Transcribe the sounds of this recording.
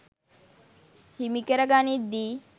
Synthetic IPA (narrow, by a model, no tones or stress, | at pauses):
himikəɾəɡanid̪i